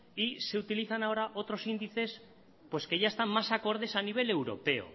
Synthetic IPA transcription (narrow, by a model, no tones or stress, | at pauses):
ise̞ut̪iliθanao̞ɾaʔo̞t̪ɾo̞sind̪iθe̞s | pwe̞ske̞ʝaest̪ammasako̞ɾð̞e̞saniβ̞e̞le̞wɾo̞̰pe̞o̰